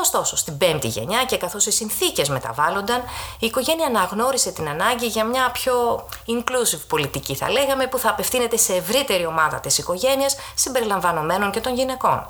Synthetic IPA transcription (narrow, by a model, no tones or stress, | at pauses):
o̞st̪o̞so̞st̪ibe̞mt̪ḭʝe̞̰ɲɐce̞kɐθo̞sisinθice̞zme̞t̪ɐ̰vɐlo̞nd̪ɐniːko̞ʝe̞niɐːnɐɣno̞ɾise̞t̪inɐnɐɲɟiʝɐmɲɐpço̞iŋklusivpo̞lit̪iciθɐ̰le̞ɣɐme̞puθɐːpe̞fθine̞t̪e̞se̞ːvɾit̪e̞ɾio̞mɐðɐ̰t̪isiko̞ʝe̞niɐssimbe̞ɾilɐɱvɐno̞me̞no̞ŋce̞t̪o̞nʝine̞ko̞̰n